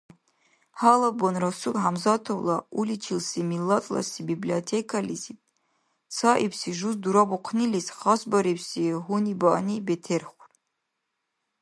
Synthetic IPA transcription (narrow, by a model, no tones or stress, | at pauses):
halabonrasutʼħamzatʰowlaulit͡ʃʰilsimilːatʼla̰sibibliotʰekʰalizitʼ | saʔipʰsiʒuzduɾabuqʷʰnilisχasbaɾipʰsiɦunibaʔnibetʰerχʷr